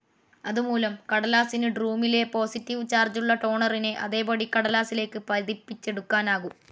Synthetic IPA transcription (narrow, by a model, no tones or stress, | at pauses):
ɐðumuːlɐmkɐɽɐlaːsinɨɖruːmile̞po̞ːsitːiʋt͡ɕaːrd͡ʑuɭːɐʈo̞ːɳɐrineʔɐðe̞ːbɐɽikːɐɽɐlaːsile̞ːkːɨpɐðipːit͡ɕːe̞ɽukːaːnaːɣu